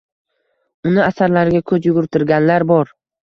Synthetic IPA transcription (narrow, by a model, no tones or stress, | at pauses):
ʊnɪasaɾlaɾɡʲakʰɵzjʊɡʊɾt̪ʰɪɾɡʲanlaɾbɒɾ